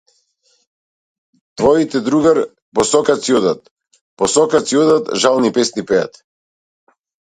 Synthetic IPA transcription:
t̪vɔit̪ɛd̪ɾuɡaɾ | pɔsɔkat̪siɔd̪at̪̚ | pɔsɔkat̪siɔd̪at̪ʒalˠnipɛsnipɛa̰t̪

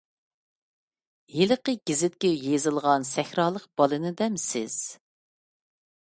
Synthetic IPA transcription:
jelɨqəɡ̥ʲizɪt̪̚kʲɛjezɨlˠʁɑnsɛxɾɑːlˠəq̚b̥ɑlˠɨnɨd̪ɛmsɪ̰z̥

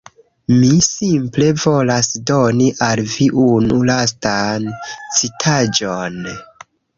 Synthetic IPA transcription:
misimple̞vo̞lasdo̞niʔalviʔunulastant͡sitʰad͡ʒo̞n

